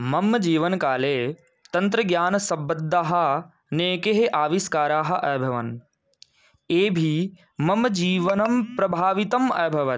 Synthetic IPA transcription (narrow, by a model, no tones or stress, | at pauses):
mɐmd͡ʒiːʋɐnkaːleː | t̪ɐ̃nt̪̬ɾɐɡjaːnsɐbːɐd̪ːaːɦɐ̆ | neːkeɦeʔaːʋiskaːɾaːɦɐ̆ʔɐːbʱɐʋɐ̰n | eːbʱi | mɐmd͡ʒiːʋɐnɐmpɾɐbʱaːʋit̪ɐmɐːbʱɐʋɐ